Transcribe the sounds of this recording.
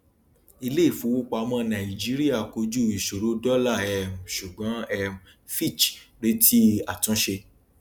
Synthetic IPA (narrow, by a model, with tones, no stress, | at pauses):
i˧le˦i˦˨fũ˨˦wo˦k͡pa˧mɔ̃˧nã˨i˨d͡ʒi˦ɾi˦a˦˨ko˧d͡ʒu˦˨i˨ʃo˨ɾo˨˦dɔ˦la˦˨ɛ˧m˨ʃu˨ɡ͡bã˨˦ɛ˧m˨ | fi˦˨t͡ʃɾe˦tʰi˦a˨tũ˨˦ʃe˧